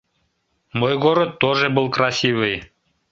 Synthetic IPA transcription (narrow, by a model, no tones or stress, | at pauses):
mojɡoɾŏt̪oʒĕbəlˠkrɑsʲiʋɯj